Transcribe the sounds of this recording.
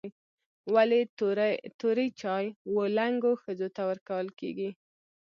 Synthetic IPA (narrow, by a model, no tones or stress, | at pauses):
wale | t̪oɾəjt͡ʃɑjwəlaŋɡoxəd͡zot̪awəɾkawəlkḛɡi